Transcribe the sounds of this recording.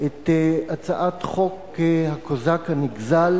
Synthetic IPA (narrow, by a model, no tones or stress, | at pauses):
et̪eat͡saʔatχo̞k | hakozakhaniɡzal